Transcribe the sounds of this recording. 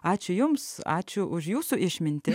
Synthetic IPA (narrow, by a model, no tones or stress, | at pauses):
ɑːt͡ʃʲʊjʊmsɑ̰ːt͡ʃʲʊʔʊʒjuːsuːʔɪʃʲmʲɪnʲt̪ʲɪ